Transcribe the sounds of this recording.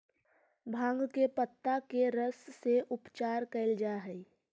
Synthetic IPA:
bʱãːŋɡkepət̪ːakeɾəsːeʔʊpt͡ʃaːɾkɐɪld͡ʒaːɦɛi

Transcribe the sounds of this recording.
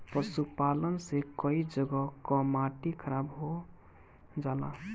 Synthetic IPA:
pəsupalənsekəid͡ʒəɡɔkɔmaʈikʰəɾabɦo | d͡ʒala̰

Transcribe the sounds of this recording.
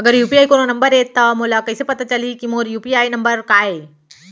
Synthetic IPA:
ɐɡəɾjuːpiaːikoːnonɐmbəɾet̪ɐmoːlakɐɪsepɐt̪at͡ʃəlikimoːɾjuːpiaːinɐmbəɾkaːe

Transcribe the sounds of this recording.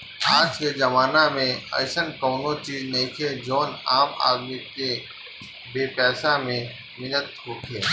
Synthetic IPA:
aːt͡ʃked͡ʒɐmaːnamẽɐ̰ːsənkoːnõt͡ʃiːznɐĩkʰed͡ʒoːna̰ːma̰ːd̪mike | beːpɛːsamẽ | mɪnət̪ɦoːkʰeː

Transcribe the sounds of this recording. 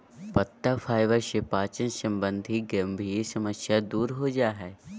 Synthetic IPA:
pɐt̪ːafʰaːɪʋəɾʃepaːt͡ʃənsɐ̃mbə̃nd̪ʱiɡɐmbʱisɐməsjad̪uːɾɦod͡ʒaːɦɛː

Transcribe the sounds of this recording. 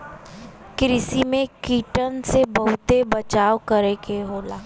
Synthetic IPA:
kɾɪsimẽkiːʈənsebəɦʊt̪ebɐt͡ʃaːokɐɾekeɦoːlaː

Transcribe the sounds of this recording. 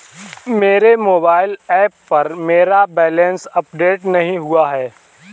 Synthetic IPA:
meːɾemoːbaːɪlɛːpːɐɾmeːɾabɛːlɛ̃nsɐpɖeːʈnɐɦĩɦʊaɦɛː

